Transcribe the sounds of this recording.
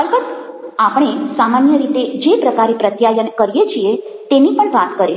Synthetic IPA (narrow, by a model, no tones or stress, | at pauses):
əlbəd̪ | apɽ̃esamanjəɾit̪ed͡ʒepɾəkaɾepɾət̪jajənkəɾijet͡ʃʰie | t̪enipəɳʋat̪kəɾe